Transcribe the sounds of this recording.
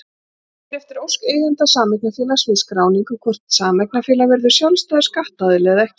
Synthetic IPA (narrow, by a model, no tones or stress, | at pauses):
ɛft̪ɪɾowseːjðɪnt̪asaːmɛk̚nafɪːlasvɪskɾaːwniŋkʏkʰvɔr̥t̪saːmɛk̚nafɪːlavɛɾðʏ̥sjɔlst̪aːð̥skaht̪aðɪlɛːɣðaɛhcɪ